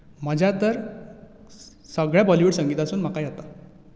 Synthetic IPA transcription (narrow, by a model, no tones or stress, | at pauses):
m̤əd͡ʑʱjat̪əɾ | səɡɭjabɔliʋuɽsəŋɡiːt̪asuːnm̤əkajat̪a